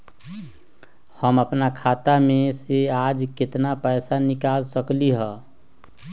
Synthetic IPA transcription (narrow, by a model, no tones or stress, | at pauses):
həməpnakʰaːt̪amẽseaːd͡ʒkɪt̪napɛɪsanɪkaːlsəkliɦɛ̃